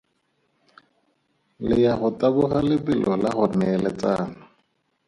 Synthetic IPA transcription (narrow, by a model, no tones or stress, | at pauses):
lɪjaχʊtʼabʊɣalɪbɪlʔɔlaχʊnɛɛlɛt͡saːnʊ